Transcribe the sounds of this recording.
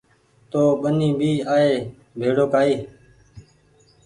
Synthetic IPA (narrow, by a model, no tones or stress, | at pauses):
t̪oːɓənĩːbʱiːaːɦeː | bʱeːɽoːkaːeː